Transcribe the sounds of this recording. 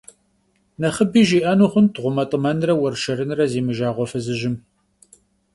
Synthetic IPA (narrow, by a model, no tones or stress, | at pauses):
nɐχəbiːʒiːʔɐnuːχʷʊntʁʷʊmɐtʼəmɐnrɐwɐrʃɐɾɨnrɐzeːmɨʒaːʁʷɔfɐzɨʒɪm